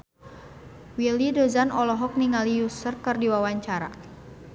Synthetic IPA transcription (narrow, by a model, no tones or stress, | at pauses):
wilidozanɔlɔɦɔk̚niŋalijusərkərdiwawaɲt͡ʃaɾa̰